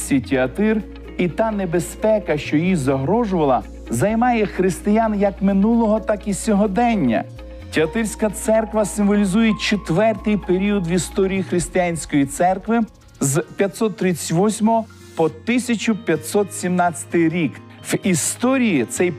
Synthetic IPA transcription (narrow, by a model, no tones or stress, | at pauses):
sʲitʲɪɐt̪ɪr | it̪ɑnebespɛkɐʃt͡ʃɔjizɐɦɾɔʒʊʋɐlˠɐ | zɐjmɑjɛxɾɪst̪ɪjanjɐkmɪnulˠɔɦɔt̪ɑkisʲɔɦɔd̪ɛnʲːɐ̰ | tʲɪɐt̪ɪrsʲkɐt̪sɛrkʋɐsɪmʋɔlʲizujet͡ʃet̪ʋɛrt̪ɪjpeɾʲiɔd̪ʋist̪ɔɾʲijixɾɪsʲt̪ɪjanʲsʲkɔjit̪sɛrkʋɪ | zpʲjɐt̪ʲsɔt̪̚ːɾɪt͡sʲɪɐ̥tʲʋɔsʲmɔɦɔ | pɔt̪ɪsʲɐt͡ʃʊpʲjɐt̪ʲsɔt̪sʲimnɑt͡sʲɐ̥t̪ɪjɾʲik | ʋist̪ɔɾʲijit̪sɛj